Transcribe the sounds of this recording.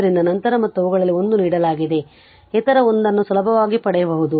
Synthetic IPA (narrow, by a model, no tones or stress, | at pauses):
ɐɾind̪ɐnɐnt̪ɐɾɐmɐt̪ːuɐʋuɣɡɐɭɐlːio̞nd̪uniːɽɐlaːɡid̪e̞ | ɛt̪ɐɾɐo̞nd̪ɐnːusɐlɐbʱɐʋaːɡipɐɽɛjɐbɐɦud̪u